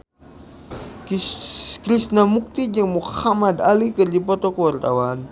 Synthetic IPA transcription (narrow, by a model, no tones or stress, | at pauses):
kɾisnamuk̚t̪id͡ʒaŋmuhamad̪alikərd͡ʒip̬ɔt̪ɔkəwart̪awan